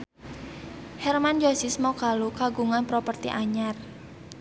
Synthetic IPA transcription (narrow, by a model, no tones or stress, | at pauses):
hɛrmand͡ʒasismɔkalukaɡuŋanpɾopərt̪ḭʔaɲar